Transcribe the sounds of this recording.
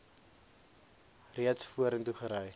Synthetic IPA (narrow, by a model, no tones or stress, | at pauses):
riətsfuəɾəntuχəɾœj